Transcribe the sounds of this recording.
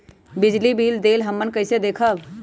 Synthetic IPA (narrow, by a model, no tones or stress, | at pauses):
bɪd͡ʒlibiːld̪eːlɦɐmːənkɐɪsed̪eːkʰəʋ